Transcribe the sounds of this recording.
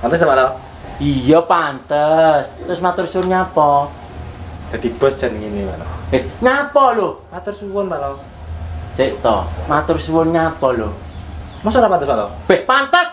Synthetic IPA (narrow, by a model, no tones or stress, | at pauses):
pant̪əs̬t̪apala | ijɔpant̪əst̪ɾʊsmat̪ʊrsuwʊnɲapɔ | d̪̥a̤d̪̥ib̥əst͡ʃənŋiniwanɔehɲapɔlopat̪ʊrsuwʊnpala | seʔt̪ɔ̰mat̪ʊrsuwʊnɲapɔlo | mɔsɔlapant̪əsmat̪ɔb̥ɛhpant̪əs